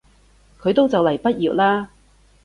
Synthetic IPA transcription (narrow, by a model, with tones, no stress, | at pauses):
kʰɵ˨˧ɥt̪o˥wt͡sɐ˨wlɐ˨˩jpɐ˥t̚jiː˨˩ʔ̚laː˥